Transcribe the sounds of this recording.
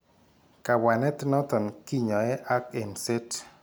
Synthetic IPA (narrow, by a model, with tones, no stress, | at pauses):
ka˨wa˨nɛ˦t̪nɔ˦t̪ɔ˨nki˦ɲɔ˨ɛ˦ʔa˦ke˨nse˦t